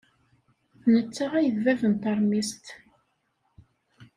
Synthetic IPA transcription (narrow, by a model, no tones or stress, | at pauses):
θnət͡sːaʁæjəðvævənt̪ɑɾˤmist̪